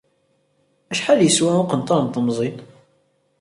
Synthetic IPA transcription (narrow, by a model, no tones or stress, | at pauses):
æʃħaljəswæoqənt̪ˤɑɾˤnt̪əmzˤit̪ˤ